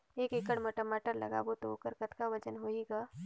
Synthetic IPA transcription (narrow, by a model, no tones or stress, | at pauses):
eːkekəɽməʈəmaːʈəɾlə̰ɡa̰ːbot̪ookəɾkət̪kaʋət͡ʃənɦoiɡa